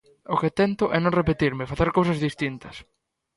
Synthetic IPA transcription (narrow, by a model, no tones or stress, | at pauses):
ʊkɪt̪ɛnt̪ʊʔɛnõŋrepet̪iɾmɪfaθeɾkowsɐzðist̪int̪ɐs